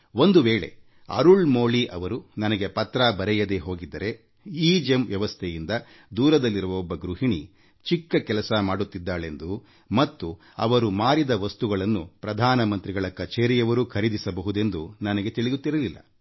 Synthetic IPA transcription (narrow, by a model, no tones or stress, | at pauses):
o̞nd̪uʋeːɭe̞̰ | ɐ̰ɾuɭmoːɭiʔɐ̰ʋɐɾunɐnɐɡe̞pɐt̪ɾabɐɾɛjɐd̪e̞ɦo̞ːɡid̪ːɐɾe̞ | iːd͡ʒemʋjɐʋɐst̪ʰɛjind̪ɐ | d̪uːɾɐd̪ɐlːiɾuʋɐɔbːɐɡɾuɦiɳi | t͡ʃikːɐkɛlɐsɐmaːɽut̪ːid̪ːaːɭe̞nd̪u | mɐt̪ːu | ɐ̰ʋɐɾumaːɾid̪ɐʋɐst̪uɡɐɭɐnːupɾɐd̪ʱaːnɐmɐnt̪ɾiɡɐɭɐkɐt͡ʃeːɾijɐʋɐɾukʰɐɾid̪isɐbɐɦud̪e̞nd̪unɐnɐɡe̞t̪iɭijut̪ːiɾɐlilːɐ̰